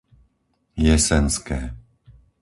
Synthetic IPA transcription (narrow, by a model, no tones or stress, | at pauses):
jɛsɛnskɛː